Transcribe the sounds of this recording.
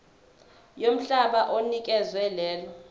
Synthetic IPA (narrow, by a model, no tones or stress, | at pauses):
jom̩ɬaɓaʔonikʼɛzwɛlɛːlɔ